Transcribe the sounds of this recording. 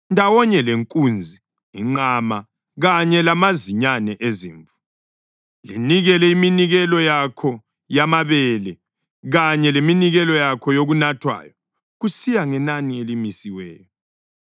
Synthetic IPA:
ndʱawɔɲɛleŋkʼund͡zʱi | iŋ͡ǃama | ɣaɲɛlamaziɲanɛʔeziːɱvu | liniɣɛlɛiminiɣɛlɔjakʰɔ | jamaβɛlɛ | ɣaɲɛleminiɣɛlɔjakʰɔjoɣunatʰwa̰ːjɔ | ɣusijaŋɛnanielimisiwɛ̰ːjɔ

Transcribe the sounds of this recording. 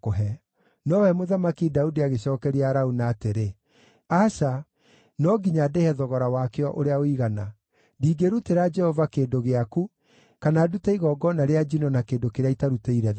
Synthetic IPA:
koɦɛ | nɔwɛmoðamakidaudiaɣeɕɔːkɛɾiaɾaunaːteɾe | aʃa | nɔɡiɲadehɛðɔɣɔɾawakeɔʔoɾeaoiɣana | diːɡeɾuteɾad͡ʒɛhɔvakeːndoɣeaku | kanaːdutaiɣɔːɡɔnaɾead͡ʒinɔnakeːndokeɾeaitaɾuteiɾɛ

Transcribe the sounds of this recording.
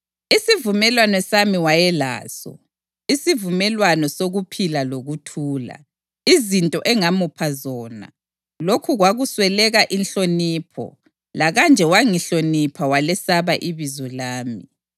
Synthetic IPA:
isivumɛlwanɔsamiwajɛla̰ːsɔ̰ | isivumɛlwanɔsoɣupʰilaloɣutʰuːla̰ | izintʼɔʔɛŋamupʰazɔːna̰ | lokʰuɣwaɣuswɛlɛɣaʔinɬoniːpʰɔ̰ | laɣand͡ʒʱɛwaŋiɬonipʰawalɛsaβaʔiβizɔlaːmi

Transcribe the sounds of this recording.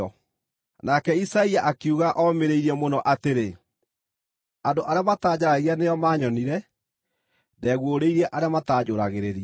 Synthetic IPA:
ɔ | nakɛisaiaʔakiuɣaʔɔmeɾeiɾɛmonɔʔateɾe | andoʔaɾeamataːd͡ʑaɾaɣianejɔmaːɲɔniɾɛ | dɛːɣwoɾeiɾɛʔaɾeamataːd͡ʑoːɾaɣeɾeɾia

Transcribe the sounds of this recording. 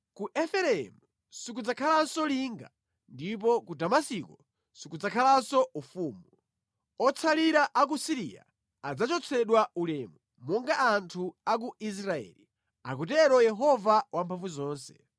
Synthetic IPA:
kuʔɛfɛɾɛɛ̰mu | sikud͡zakʰalasɔliːŋɡa̰ | ndip̬ɔkudamasikɔ | sikud͡zakʰalasɔufuːmu | ɔt͡sʰaliɾaʔak̬usiɾḭa̰ | ad͡zat͡ʃɔt͡sʰɛɗwaulɛːmu | mɔŋɡaʔantʰuak̬uis̬ɾaɛ̰ːli | ak̬utɛɾɔjɛɦɔvawampʰaɱvuzɔːnsɛ̰

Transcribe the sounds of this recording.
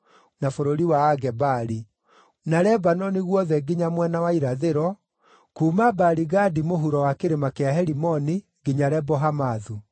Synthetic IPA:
nafoɾoɾiwaːɡɛbaɾi | naɾɛbanɔniɣwɔðɛɡiɲamwɛnawaiɾaðeɾɔ | kumabaɾiɣadimoɦuɾɔwakeɾemakeaɦɛɾimɔni | ɡiɲaɾɛbɔɦamaðu

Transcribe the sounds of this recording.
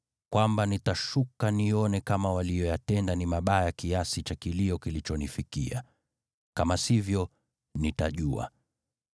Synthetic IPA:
kwambanitaʃukaniɔnɛkamawalijɔjatɛndanimaɓajakiasit͡ʃakiliɔkilit͡ʃɔnifikḭa̰ | kamasivjɔ | nitaʄua̰

